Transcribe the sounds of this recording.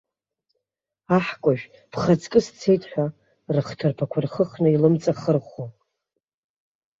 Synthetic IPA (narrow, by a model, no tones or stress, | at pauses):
aħkʷʼʊʒᶣ | pʰχat͡sʰʼkʼɨst͡sʰejtʼħʷᶣa | rɨχtʰɨrpʰakʷʰʊrχəχnɨilɨmt͡sʼaχərχo